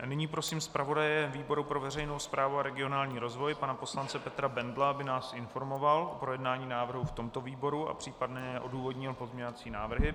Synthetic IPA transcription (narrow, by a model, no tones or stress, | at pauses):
nɪɲiːpɾo̞siːmspɾavo̞dajɛviːbo̞ɾupɾo̞vɛrɛjnowspɾʔaːvuaɾɛɡɪo̞naːlɲiːɾo̞zvo̞jpanapo̞slant͡sɛpɛt̪ɾabɛndlabɪnaːsʔɪnfo̞ɾmo̞valopɾo̞jɛdnaːɲiːnaːvr̩ɦuft̪o̞mt̪o̞viːbo̞ɾua̰pr̝̥iːpadnɛɛʔo̞duːvo̞dɲɪlpo̞zmɲovat͡siːnaːvr̩ɦɪ